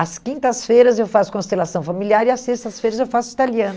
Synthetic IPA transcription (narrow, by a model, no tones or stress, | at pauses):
ɐskĩnt̪ɐsfejɾɐzewfasʊ̥kõst̪elasɐ̃w̃familiaɾiɐsest̪ɐsfejɾɐzewfasʊit̪aliɐ̃n